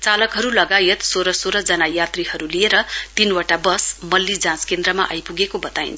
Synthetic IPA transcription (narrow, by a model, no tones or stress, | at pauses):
t͡salʌkɦʌɾulʌɡajet̪soɾʌsoɾʌd͡zʌnajat̪rihʌɾulieɾʌt̪inwaʈabʌsmʌlːid͡zãskend̪ɾʌma̰ʔʌjpuɡekobʌt̪aḭnt͡sʰ